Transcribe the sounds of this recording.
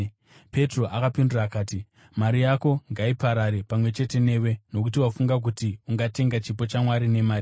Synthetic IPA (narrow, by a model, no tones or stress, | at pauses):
pe̞tro̞ʔakapinduraːkaːti | maɾijako̞ŋɡaipaɾaɾe̞pamwe̞t͡ʃe̞te̞ne̞ːwe̞no̞k̬utiwafuŋɡak̬utiuŋɡate̞ŋɡat͡ʃipo̞t͡ʃamwaɾine̞maːɾi